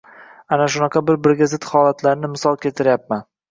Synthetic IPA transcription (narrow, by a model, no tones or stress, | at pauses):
anaʃ̬ʊnɑqʰɑbɪɾbɪɾɡʲazɪt̪hɒlˠat̪ʰlaɾnɪmɪsɒlˠkʲʰet̪ʰɪɾjap̚man